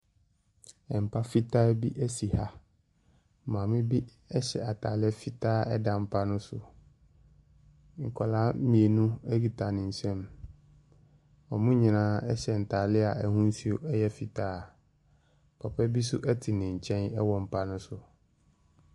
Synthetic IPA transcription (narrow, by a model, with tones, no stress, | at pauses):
ɛ˨m̩˨pʰa˦fi˦tʰaː˦bi˦ʔæ˦si˨ha˦ | mãː˨mɪ̃˦bi˦ | ɛ˦ɕɛ˨a˨tʰaː˨lɪ˦ɛ˦fi˦tʰaː˦ɛ˦dã˨m̩˨pʰa˦nʊ̃˦sʊ̰˨ | ŋ̩˨kʰɔ˨laː˦mĩ˨e˨nũ˦ɛ˦ɡi˨tʰa˨nɪ̃˨ɲ̩˨sɛ̃˦m | ɔ˨mʊ̃˦ɲĩ˨nãː˦ɛ˦ɕɛ˨n̩˨tʰaː˨lɪ˦a˨ɛ˨hũ˦n̩˦si˦o˨ʔɛ˦jɛ˦fi˨tʰaː˦˨ | pʰɔ˨pʰɛ˦bi˦sʊ̰˦ʔɛ˦tʰɪ˨nɪ̃˨ɲ̩˨t͡ɕʰɛ̃˦nɛ˦wɔ˨m̩˨pʰa˦nʊ̃˦sʊ˨